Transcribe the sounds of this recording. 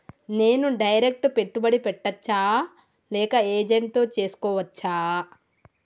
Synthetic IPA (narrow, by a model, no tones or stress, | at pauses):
ne̞ːnuɖɐjɾek̚ʈupe̞ʈːubɐɽipɛʈːɐt͡ʃːaː | lɛːkɐeːd͡ʒeɳʈ̚t̪o̞ːt͡ʃe̞ːsu̥kɔːʋɐt͡ʃːaː